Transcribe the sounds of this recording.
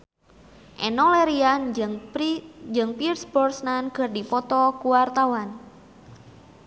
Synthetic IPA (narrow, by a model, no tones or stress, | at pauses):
ʔɛnɔleɾian | d͡ʒɨŋpirsbɔrsnanɡ̥ərdipɔt̪ɔkuwart̪awan